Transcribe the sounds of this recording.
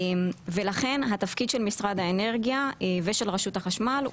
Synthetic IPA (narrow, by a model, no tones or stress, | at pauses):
mvelaχe̞nɦat̪afkid̪ʃe̞lmisʁad̪aene̞ʁɡijaveʃelʁeʃut̪haχaʃmal